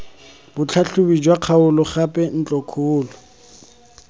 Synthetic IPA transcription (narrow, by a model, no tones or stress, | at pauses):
bʊt͡ɬʰaɬʊbid͡ʒwaq͡χʰaʊlʊχapʼɛn̩t͡ɬʼɔkʰuːlʊ